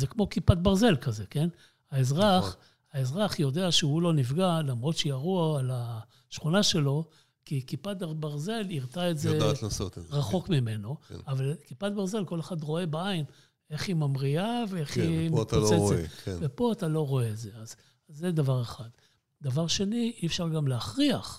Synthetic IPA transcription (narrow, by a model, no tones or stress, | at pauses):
zekmo̞kipat̪̚baʁze̞lkaze̞ke̞n | aezʁaχ | aezʁaχjo̞de̞aʃeulo̞nivɡalamʁo̞t̪ʃejaʁuaala | ʃχunaʃe̞lo̞ | kikipat̪abaʁze̞liʁtaetzetnasotʁaχo̞kmime̞no̞̰avalkipad̪̚baʁzelko̞le̞χad̪ʁo̞e̞baain | e̞χimamʁiaveeχimitat͡seetkvepo̞atalo̞ʁo̞eːtze̞az | zːed̪avaʁe̞χad̪ | d̪avaʁʃe̞niʔiefʃaʁɡamleaχʁiaχ